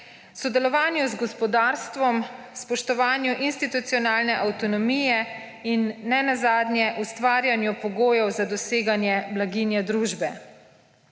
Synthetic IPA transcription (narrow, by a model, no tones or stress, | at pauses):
sɔd̪ɛlɔʋaːnjuzɡɔspɔd̪aːɾst̪ʋɔm | spɔʃt̪ɔʋaːnjuʔinst̪it̪ut̪sijɔnaːlnɛʔawt̪ɔnɔmiːjɛ | inːɛnazaːd̪nʲjɛʔust̪ʋaːɾjanjupɔɡoːjɔwzad̪ɔseːɡanjɛblaɡiːnjɛd̪ɾuːʒbɛ